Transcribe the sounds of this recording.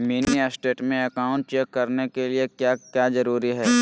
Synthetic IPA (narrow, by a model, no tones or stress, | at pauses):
miːniasʈeːʈmẽɐkaːʊ̃ɳʈ̚t͡ʃɛkːɐɾnekeliekjaːkjaːzɐɾuːɾiɦɛː